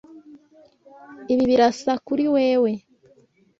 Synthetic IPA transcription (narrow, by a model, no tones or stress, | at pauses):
iβiβiɾasakuɾiweːwe̞